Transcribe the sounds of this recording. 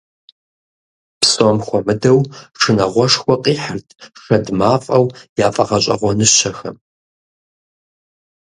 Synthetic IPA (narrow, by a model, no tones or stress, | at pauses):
psʼomxʷɔmɨdɐwʂʰɨnɐʁʷɔʂxʷɔqʼiːħərtʰʂɐdmaːfʼɐwjaːfʼɐʁɐɕʼɐ̰ʁʷɔnɨɕɐxɐ̰m